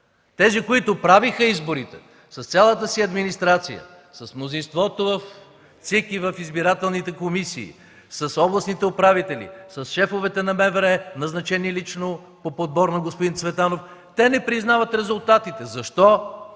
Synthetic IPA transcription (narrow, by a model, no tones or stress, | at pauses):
t̪ɛzikoit̪ʊpɾavixəizboɾit̪ɛ̰ | sɐst̪sʲjalˠət̪əsiɐd̪minist̪ɾat̪sḭjə̰ | sɐsmnozinst̪vɔt̪ovɐf | t̪sɛkivɐfizbiɾat̪ɛlˠnit̪ɛkomisḭː | sɐsɔblˠɐsnit̪ɛʊpɾavit̪ɛlḭsɐsʃɛfovɛt̪ɛnɐmɛvɛɾɛnɐznɐt͡ʃɛniɛlit͡ʃno | popod̪̚bɔɾnɐɡospʊd̪int̪svɛt̪anoft̪ɛnɛpɾiznavɐt̪ɾɛzʊlˠt̪at̪it̪ɛzɐʃt̪ɔ